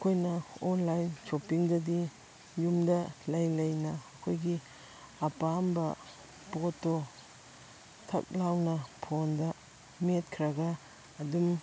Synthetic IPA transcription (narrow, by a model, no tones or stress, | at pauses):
ɐkʰojnɐɔnlajnt͡ʃopiŋdɐdi | jumdɐlɐjlɐjnaːkʰojɡi | apambɐ | poto | tʰɐ̰k̚lawnɐpʰondɐ | met̚kʰɾaɡaː | dum